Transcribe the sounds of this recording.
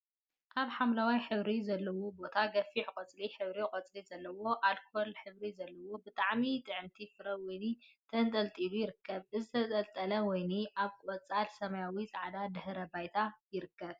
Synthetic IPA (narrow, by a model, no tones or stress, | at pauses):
ʔaβħamlawajħɨβɾizɐlːɐwobo̞t̪ʰaɡɐfiħkʼɐt͡sʼliħɨβɾikʼɐt͡sʼlizɐlːɐwo̞ʔalkʰoolħɨβɾizɐlːɐwobɨt̪ʼaʕmit̪ʼɨʕɨmt̪ʰifɨɾɐwɔjnit̪ʰɐnt̪ʼɐlt̪ʼiβujɪɾɨkːɐβʔɨzɨt̪ʰɐt̪ʼɐlt̪ʼɐlɐwɔjniʔaβʼɐt͡sʼalsɐmajawit͡sʼaʕd̪ad̪ɨhɾɐbajt̪ʰajɪɾɨkːɐβ